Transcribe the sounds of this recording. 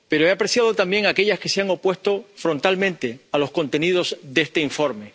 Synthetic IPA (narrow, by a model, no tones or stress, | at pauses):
pe̞ɾoe̞apɾe̞sjað̞ot̪ambje̞ŋake̞ʎaske̞seaŋo̞pwe̞st̪o̞fɾo̞nt̪almẽnt̪e̞alo̞sko̞nt̪e̞nið̞o̞zðeest̪eiɱfo̞ɾme̞